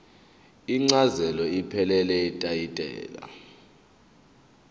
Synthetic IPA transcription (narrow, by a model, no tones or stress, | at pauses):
iŋ͡ǀazɛlɔipʰɛlɛlɛitʼajitʼɛ̰ːla̰